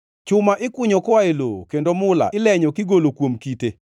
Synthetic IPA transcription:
t͡ʃʊmaʔɪkʊɲɔkɔaelokendomʊla̰ʔɪlɛɲɔkɪɡolokwomkite

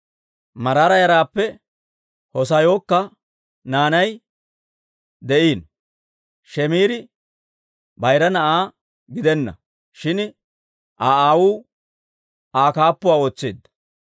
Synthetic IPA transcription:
mɐɾaːɾɐjɐɾaːpːɛ | hɔs̬ɐjo̞ːkːɐ | naːnɐj | d̪ɛʔiːn | ʃɛmiːɾɪ | bɐjɾɐnɐʔaː | ɡɪd̪ɛnːɐ̰ | ʃɪn | ʔaːaːwuː | aːkaːpːʊwaːoːt͡sːeːd̪ːɐ̥

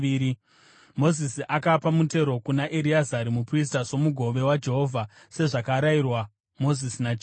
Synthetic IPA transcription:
iɾi | mo̞zisiʔakapamute̞ɾo̞kunaʔeɾiazaɾimupris̬taso̞muɡʱo̞ʋe̞wad͡ʒe̞ɦo̞vʱa | se̞ʐakaɾairwa | mo̞zisinat͡ʃ

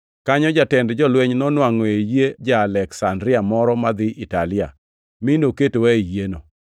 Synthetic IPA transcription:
kaɲɔd͡ʒatɛndd͡ʒɔlweɲnɔnwaŋɔejed͡ʒaːlɛksandɾɪamɔɾɔmad̪ɪʔita̰lɪa̰ | minoketowaijeno

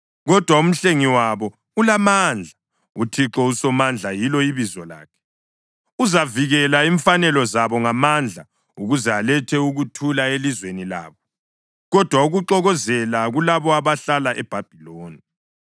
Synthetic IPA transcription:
ɣɔd̥ʱwaum̩ɬeŋiwaβɔ | ulamand͡ɮʱa | utʰiǁɔusɔmand͡ɮʱajilɔiβizɔla̰ːkʰɛ̥ | uzaviɣɛlaiɱfanɛlɔzaβɔŋamand͡ɮʱa | uɣuzɛalɛtʰɛuɣutʰulaelizwenila̰ːβɔ | ɣɔd̥ʱwauɣuǃɔɣɔzɛlaɣulaβɔaβaɬalaʔɛb̥ʱab̥ʱiloːni

